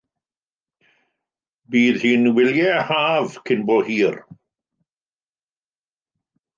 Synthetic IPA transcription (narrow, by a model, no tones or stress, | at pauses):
biːðhiːnwɪljɛhaːvkʰɪnbɔːhiːr